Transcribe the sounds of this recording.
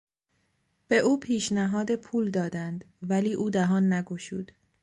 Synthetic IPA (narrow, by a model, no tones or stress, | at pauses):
b̥e̞ʔuːpʰiːʃnæɦɒːd̪e̞pʰuːld̪ɒːd̪ænd̪ | væliːʔuːd̪æɦɒːnːæɡoʃṵːd̪̥